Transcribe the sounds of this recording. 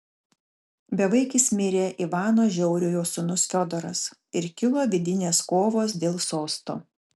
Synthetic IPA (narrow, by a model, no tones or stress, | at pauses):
bʲɛʋɐɪkʲɪsmʲɪɾʲeːʔiʋɑːnoːʒʲɛʊɾʲʊjoːsʊnʊsfʲɔd̪ɔɾɐ̰sɪɾkʲɪlˠoːʋʲɪd̪ʲɪnʲeːskoːʋoːs̬d̪ʲeːlˠsoːst̪o̰ː